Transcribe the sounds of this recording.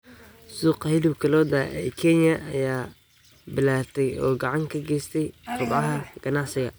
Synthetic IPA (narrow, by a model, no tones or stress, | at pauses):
suːqhɪlɪwkʰɐlɔːd̪aːʔɛkʰɛnjɐʔɐjaː | bɪlaːt̪ʰɛjɔːɡɑʕɑŋkʰɐɡɛjst̪ʰɛjqʊd̪ʕɑɦɐɡ̥ɐnɑʕsɪɣɐ